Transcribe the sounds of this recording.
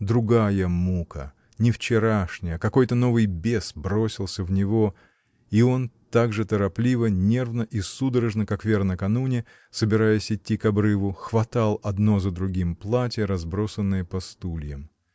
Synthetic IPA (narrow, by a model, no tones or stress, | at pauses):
d̪ɾʊɡajəmukə̰ | nʲɪft͡ɕɪɾaʂnʲɪjəkɐko̞jt̪əno̞vɨjbʲe̞sbɾo̞sʲɪlˠsʲəvnʲɪvo̞ | io̞nt̪aɡʐɨt̪əɾɐplʲivənʲe̞rvnəʔisud̪əɾəʐnəkakvʲernəkɐnunʲɪ | səbʲɪɾajəsʲɪtʲːikɐbɾɨvʊxvɐt̪alˠɐd̪no̞zəd̪ɾʊɡʲimplˠatʲɪjəɾɐzbɾo̞sənːɨjəpɐst̪ulʲjəm